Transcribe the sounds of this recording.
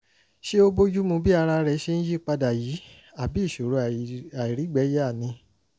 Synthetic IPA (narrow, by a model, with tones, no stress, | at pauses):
ʃe˦o˦bo˦d͡ʒu˦mũ˧bi˦a˧ɾa˧ɾɛ˧˦ʃe˧˦ñ̩˦ji˦˨k͡pa˧da˨ji˨˦ | a˦˨bi˨˦i˦˨ʃo˨ɾo˧a˨i˨ɾi˨˦ɡ͡bɛ˨˦jɛ˦a˦˨nĩ˧